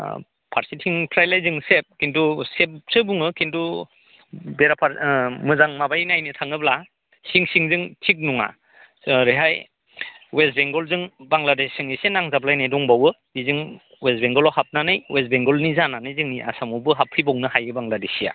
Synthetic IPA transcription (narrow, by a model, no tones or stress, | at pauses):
pʰaɾsitʰiŋpʰɾajlajzɯŋsep̚kintusep̚sɯbuŋɯkʰintu | beɾapʰaɾmɯzaŋmabajnajnitʰaŋɯbla | siŋsiŋzɯŋtʰik̬̚nuŋa̰ | ɾɯɦaj | west̚beŋɡɔlzɯŋbaŋladesɯŋisenaŋzablajnajdɔŋbawɯ | izɯŋ | westbeŋɡɔlɔhap̚nanɯjwes̬t̚beŋɡɔlnizananɯjzɯŋniʔa̰samɔbɯɦapʰːibɔŋnɯhajɯbaŋɡladesija̰